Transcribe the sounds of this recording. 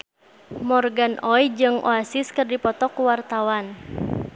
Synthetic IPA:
mɔrɡanʔɔjd͡ʒɨŋʔɔasiskɨrdipɔt̪ɔkuwart̪awan

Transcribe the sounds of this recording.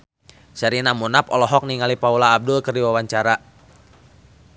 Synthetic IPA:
saɾinamunapɔlɔɦɔk̚niŋalipaulaːb̚dulkərdiwawaɲt͡ʃaɾa

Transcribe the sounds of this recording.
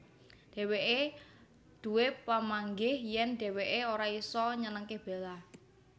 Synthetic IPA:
d̥ɛ̤weʔe | d̪̥ṳwepamaŋɡɪhjɛnd̪̥ɛ̤weʔeoɾaisɔɲənəŋkɪhb̥ela

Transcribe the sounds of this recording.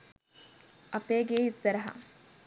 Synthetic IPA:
ʔɐpeːɡeːisɐɾɐɦɐ̰

